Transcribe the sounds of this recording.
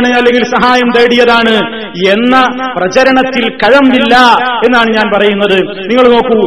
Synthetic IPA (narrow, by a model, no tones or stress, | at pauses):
ɳɨɐlːe̞ŋɡilsɐɦaːjɐmt̪ɐjːɽijɐðaːɳɨ | e̞nːɐprɐt͡ɕɐɾɐɳɐt̪ːilkɐɻɐmʋilːɐe̞nːaːɳɨɲaːnpɐrɐjunːɐðɨ | niŋːɐɭno̞ːkːu